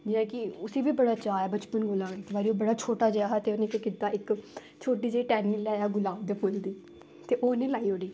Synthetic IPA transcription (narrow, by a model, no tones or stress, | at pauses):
d͡ʒɪãːkɪʊsiːbiːbəɽaːt͡ʃaːɛːbət͡ʃpənɡʊlãːt̪ːbaːɾiːoːbəɽaːt͡ʃʰoːʈaːd͡ʒeaːɦat̪eːonẽːkekiːt̪aːɪk | t͡ʃʰoːʈiːd͡ʒeiːʈɛːniːlɛːaːɡʊlaːʋd̪eːpʰʊld̪iː | t̪eːʔoːʊnẽːlaːiːɦoːɽiː